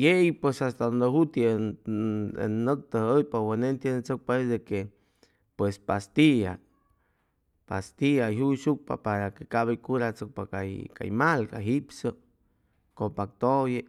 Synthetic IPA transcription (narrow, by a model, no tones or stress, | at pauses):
jejpwesast̪ad̪ond̪eɦut̪i | ḛnnːək̚t̪əhəjpowenent̪jenet͡sok̚pasd̪eke | pwespast̪ia | past̪iaɦuʃuk̚pa̰paɾakekaβajkuɾat͡sɨk̚pakajka̰jmalka̰ɦipsə | kopak̚t̪oje